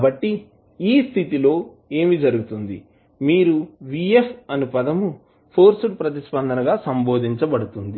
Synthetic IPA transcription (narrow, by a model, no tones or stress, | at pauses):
bɐʈːi | iːst̪ʰit̪ilo̞ː | eːmid͡ʒɐɾuɡut̪und̪ḭ | miːɾuʋiepʰɐnupɐd̪ɐmu | pʰoːɾsuʈ̚pɾɐt̪̬ispɐnd̪ʱɐnɐɡaːsɐmbo̞ːd̪ʱiɲt͡ʃɐbɐɽut̪und̪i